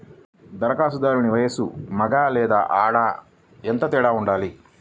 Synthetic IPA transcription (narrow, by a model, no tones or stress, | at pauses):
d̪ɐɾɐkaːsud̪aːɾuniʋɐjɐsṵmɐɡaːlɛːd̪a̰ːʔaːɽaː | ent̪ɐt̪ɛːɽaːuɳɖaːli